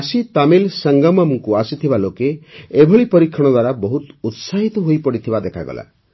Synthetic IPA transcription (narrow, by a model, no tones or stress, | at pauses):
asit̪amilsaŋɡamamuŋkuasit̪ʰibalokeebʱɔɭipɔɾikʰːɔɽ̃ɔd̪waɾabɔɦut̪ut̪saɦit̪ɔɦojpɔɽit̪ʰibad̪ekʰaɡɔ̰la̰